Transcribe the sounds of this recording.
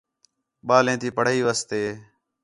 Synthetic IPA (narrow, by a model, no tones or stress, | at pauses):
ɓaːlẽːt̪iːpəɽ̤iːʋəːst̪eː